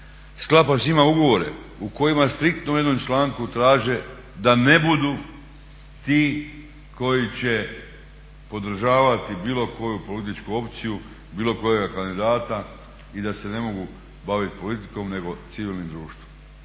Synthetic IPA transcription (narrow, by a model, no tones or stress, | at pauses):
sklˠapasimauɡo̞ʋo̞ɾe̞̰ | uko̞jimast̪ɾik̚t̪noujed̪nomt͡ʃlaːŋkut̪ɾaːʒe̞ | d̪ane̞bud̪u | t̪iː | ko̞jit͡ɕe̞ | po̞d̪ɾ̩ʒaːʋat̪ibiːlo̞ko̞jupo̞lit̪̬it͡ʃkuo̞pt̪siju | biːlo̞ko̞jeɡakand̪id̪aːt̪a | id̪ase̞ne̞mo̞ɡu | baʋit̪po̞lit̪i̥ko̞mne̞ɡo̞t̪siʋiːlnimd̪ɾuːʃt̪ʋom